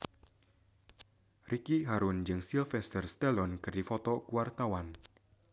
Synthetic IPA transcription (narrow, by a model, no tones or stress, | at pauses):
rʔikiɦaɾund͡ʒɨŋsilfɛst̪ərst̪ɛlɔnkɨrdifɔt̪ɔkuwart̪awan